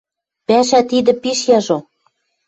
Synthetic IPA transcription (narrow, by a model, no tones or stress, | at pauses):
pæʃæt̪id̪ɘ̆piʃjɑʒo